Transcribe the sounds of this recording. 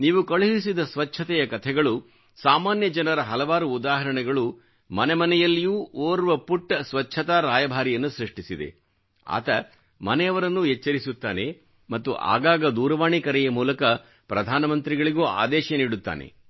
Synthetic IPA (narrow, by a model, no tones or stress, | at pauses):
niːʋukɐɭuɦis̬id̪ɐsʋɐt͡ʃʰɐt̪ɛjɐkɐt̪ʰɛɡɐɭu | saːmaːnjɐd͡ʒɐnɐɾɐɦɐlɐʋaːɾuːd̪aːɦɐɾɐɳɛɡɐɭu | mɐnɛmɐnɛjɐlːijuːoːɾuʋɐpuʈːsʋɐt͡ʃʰɐt̪aɾaːjɐbʱaːɾijɐnːusɾiʂʈisid̪ḛ | a̰ːt̪ɐ | mɐnɛjɐʋɐɾɐnːuɦɛt͡ʃːɐɾisut̪ːa̰ːne | mɐt̪ːuʔa̰ːɡaːɡɐd̪uːɾɐʋaːɳikɐɾɛjɐmuːlɐkɐ | pɾɐd̪ʱaːnɐmɐnt̪ɾiɡɐɭiɡoːa̰ːd̪ɛːʃɐniːɽut̪ːa̰ːnḛ